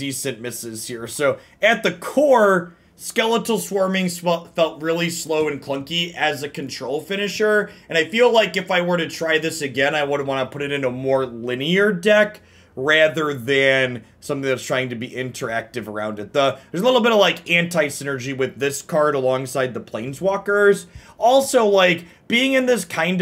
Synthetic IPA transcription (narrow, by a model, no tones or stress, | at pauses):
disɨ̃nmɪsɨz̥hiɹsoʊ | ɨt̪̚ðɨkʰɔɹ | skɛlˠəɾl̩ˠswɔɹmɪ̃ŋsɛlˠtfɛlˠt̚ɹɪlˠisloʊɨ̃nkʰl̥ʌ̃ŋkiɨzɨkʰɨ̃n̩tʰɹ̥oʊlˠfɪ̃ñɨʃə˞ɨ̃ñaɪfilaɪkɨfaɪwə˞ɾɨtʰɹ̥aɪðɪsɨɡɛ̃naɪwʊdⁿn̩ʔwɑ̃nəpʰʊɾɨɾɨ̃ntəmɔɹlɪ̃niə˞dɛk | ɹæðə˞ðɨ̃n | sʌ̃mθɪ̃ŋðɨtstʰɹ̥aɪɪ̃ŋtɨbiʔɪ̃ntʰə˞æk̚tɨvə˞ã̰ʊ̃ndɨt̪̚ðəðə˞zəlɪɾl̩ˠbɪɾʌvlaɪkæ̃ntʰaɪsɪ̃nə˞d͡ʒiwɨðɪskʰɑɹɾəlɔ̃ŋsaɪd̪̚ðəpʰl̥ẽɪ̃nzwɔkə˞z̥ʔɔlˠsoʊlaɪk | b̥iɪ̃ŋɨ̃nðɪskʰãɪ̃nd